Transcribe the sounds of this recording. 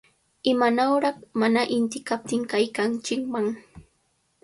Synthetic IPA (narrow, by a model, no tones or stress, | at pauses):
ɪmanawɾɑχmanaʔɪnt̪ɪkap̚t̪ɪŋkajkant͡ʃɪkmaŋ